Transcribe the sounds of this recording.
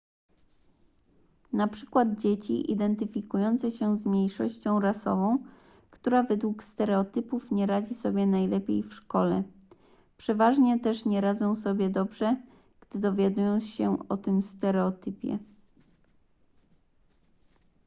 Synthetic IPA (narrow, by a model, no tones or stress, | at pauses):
napʂɘ̥kwad̪̚d͡ʑet͡ɕḭʔḭd̪ɛnt̪ɘfʲikujɔnt̪sɛɕɛzmʲɲejʂɔ̰ɕt͡ɕɔ̃w̃ɾasɔ̰vɔ̃w̃ | kt̪uɾavɛd̪wukst̪ɛɾɛɔt̪ɘpufɲɛɾad͡ʑisɔbʲjɛnajlɛpʲjḛjfʂkɔlɛ̰ | pʂɛvaʐɲɛt̪ɛʂɲɛɾad̪zɔ̃w̃sɔbʲjɛd̪ɔbʐɛ | ɡ̥d̪̥ɘd̪ɔvʲjad̪ujɔ̃wɕɛɔ̰t̪ɘmst̪ɛɾɛɔt̪ɘpʲjɛ̰